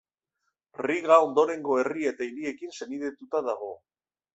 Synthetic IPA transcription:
riɣao̞nd̪o̞ɾe̞ŋɡo̞e̞rie̞t̪aiɾie̞kinse̞niðet̪ut̪aðaɣ̞o̞

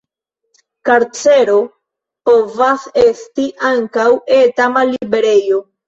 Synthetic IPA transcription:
kaɾt͡se̞ɾo̞ | po̞vase̞stiʔaŋkawetamalibe̞ɾe̞jo̞

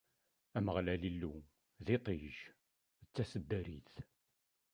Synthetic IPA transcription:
æməʁlælilːu | ðit̪ˤiʒ | ət͡sːæsəd̪ːæɾḭθ

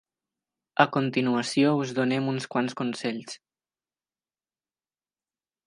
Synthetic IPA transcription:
əkunt̪inuəsiouzðunɛmunskwanskunsɛʎs

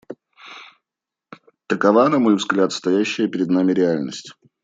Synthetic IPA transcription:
t̪əkɐvanɐmo̞jvzɡlʲat̪st̪ɐjæɕːɪjəpʲɪɾʲɪd̪namʲɪɾʲɪalʲnəsʲtʲ

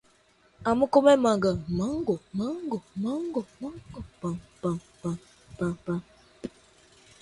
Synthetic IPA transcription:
aməkomɛmaŋɡamaŋɡomaŋɡomaŋɡomaŋɡopampam | pa | papa

